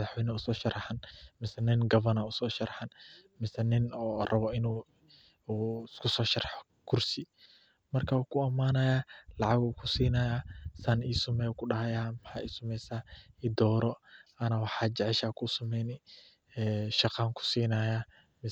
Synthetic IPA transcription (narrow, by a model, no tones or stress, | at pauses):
ɐðɑħwɛjnɐʊsɔːʃɐɾɑħɐnmɪsɛnɪnɡɐβɐnɐʊsɔːʃɐrħɐnmɪsɐnɪnɔːrɐβɔɪnuː | kʰʊsɔːʃɐrɑħɔ̥ | kʰʊrsɪ | mɐrkʰauːkʰʊɐmaːnɐjaːlɑʕɑɡuːkʰʊsiːnɐjaːsɐniːsʊmɛjkʰʊɖɐhɐjamħaːiːsʊmɛjsaːɪd̪ɔːɾɔʔɐnɐwɑħɑːd͡ʒɛʕɛʃaːkʰʊsɐmɛjnɪ | ɛːʃɐqɑːŋkʰʊ̥siːnɐjaː | mɪ